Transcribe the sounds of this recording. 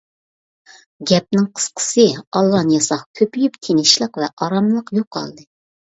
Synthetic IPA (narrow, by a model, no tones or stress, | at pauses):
ɡʲɛp̚nɪŋqʰə̥sqʰə̥sɨɑlˠːɑnjɑsɑχkʲʰøpyjypt̪ʰenɪʃlˠəqvɛʔɑɾɑmlˠəqjoqʰːɑ̰lˠd̪ɨ